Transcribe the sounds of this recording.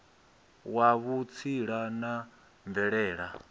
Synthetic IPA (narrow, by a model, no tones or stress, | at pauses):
waβut͡sʰiɺana | ɱbvɛɺɛːɺa